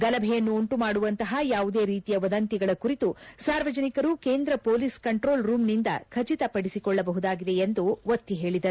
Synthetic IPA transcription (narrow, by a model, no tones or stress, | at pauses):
ɡɐlɐbʱɛjɐnːuoɳʈumaːɽuʋɐnt̪ɐɦɐjaːʋud̪e̞ːɾiːt̪ijɐʋɐd̪ɐnt̪iɡɐɭɐkuɾit̪usaːɾʋɐd͡ʒɐnikɐɾuke̞ːnd̪ɾɐpo̞ːliskɐɳʈɾo̞ːlɾuːmnind̪ɐkʰɐt͡ʃit̪ɐpɐɽisikɔɭːɐbɐɦud̪aːɡid̪e̞end̪uʋɐt̪ːiɦe̞ːɭid̪ɐɾuu